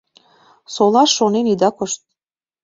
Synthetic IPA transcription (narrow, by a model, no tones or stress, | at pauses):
solˠɑʃːonenid̪ɑkoʃt̪̚